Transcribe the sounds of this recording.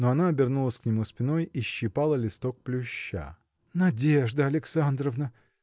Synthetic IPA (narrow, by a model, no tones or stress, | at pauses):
noɐnaɐbʲɪrnulˠəsʲknʲɪmuspʲɪno̞jiɕːɪpalˠəlʲɪst̪ok̚plʲʊɕːa̰ | nɐdʲeʐd̪əɐlʲɪksand̪ɾəvnə